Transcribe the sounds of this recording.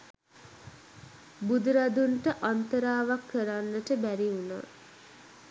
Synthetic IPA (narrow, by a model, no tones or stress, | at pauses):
bud̪uɾad̪uɳʈəʔant̪əɾaːʋakːəɾanːəʈəbæɾiuna̰ː